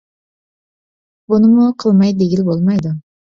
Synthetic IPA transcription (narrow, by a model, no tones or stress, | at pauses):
bʊnɪmʊqʰɨlˠmajd̪eɡʲilbolˠmajd̪ʊ